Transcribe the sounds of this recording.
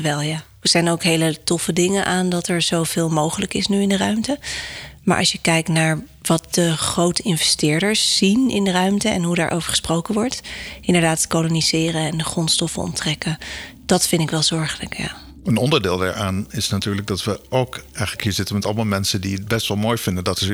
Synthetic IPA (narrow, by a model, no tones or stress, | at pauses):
ʋɛlˠjaː | əz̥ɛjnowkɦejlətɔfədɪŋəʔaːndɑtɛɹz̥owv̥ɪːlˠmowχələkɪsnyɪndərœɥmtəma̰ːʔɑ̰sjəkɛjk̚tnaːɹ | ʋɑt̚dəχrowtɪnvɛstɪːɹdəɹsːinɪ̰ndərœɥmtəɛ̰nɦudaːɹʔo̰wvəɹχə̥sprowkənʋɔɹtʔɪndəɹdaːtkoloniz̥ɪːrənɛndəχrɔntstɔfənɔ̰ntrɛkəd̥ɑtfɪndɪkʋɛlˠzɔɹχələkja̰ː | ənɔndəɹdɪːlˠda̰ɹaːnɪsnatyːɹləɡ̚dɑtʋəowkɛjχələkhiːɹzɪtənmɛtɑləmalˠmɛnsəndiət̚bɛstʋɑlˠmoːjvɪndədɑtɪ